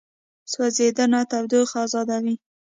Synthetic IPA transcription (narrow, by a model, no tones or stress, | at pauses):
swazed̪ənat̪awd̪oxɑzɑd̪awi